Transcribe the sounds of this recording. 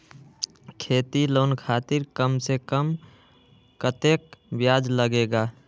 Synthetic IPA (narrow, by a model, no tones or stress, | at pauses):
kʰeːt̪iloːnkʰaːt̪iɾkəmsekəm | kət̪eːk̚bjaːd͡ʒləɡeːɡaː